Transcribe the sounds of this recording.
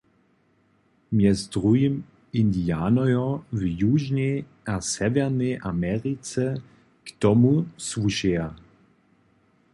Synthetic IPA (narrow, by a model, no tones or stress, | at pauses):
mjɛzdʁujim | indiaːnɔjɔvjuʒnɛ | ʔasɛvɛʁnɛjʔamɛʁit͡sɛ | kt̪ɔmusvuʃɛa